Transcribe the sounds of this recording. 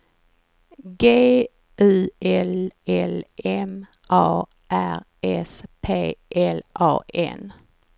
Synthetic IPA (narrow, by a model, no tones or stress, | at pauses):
ɡeː | ʔʉːʔɛlɛlʔɛm | ʔɑː | ʔæɾ | ɛspʰeːʔɛlʔɑ̰ːʔɛ̰n